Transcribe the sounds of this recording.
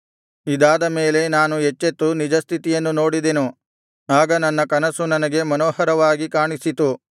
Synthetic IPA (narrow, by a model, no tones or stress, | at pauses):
id̪aːd̪ɐme̞ːle̞naːnuɦet͡ʃːet̪ːunid͡ʒɐst̪ʰit̪ijɐnːuno̞ːɽid̪enu | aːɡɐnɐnːɐkɐnɐsunɐnɐɡe̞mɐnoːhɐɾɐʋaːɡikaːɳisit̪u